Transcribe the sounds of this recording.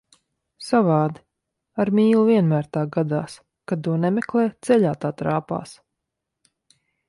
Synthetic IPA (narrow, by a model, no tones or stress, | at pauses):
savɑːd̪i̥ | aɾmʲiːlˠuviɛnmæːɾt̪aːɡad̪a̰ːs | kad̪t̪uɔnɛmɛklˠɛːt̪sɛʎaːt̪aːt̪ɾaːpa̰ːs